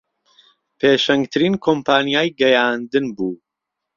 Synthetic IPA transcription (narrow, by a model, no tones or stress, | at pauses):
pʰeːʃɐŋɡt̪ʰɨɾiːnkʰompʰaːnijaːjɡɐjaːnd̪ɨnbuː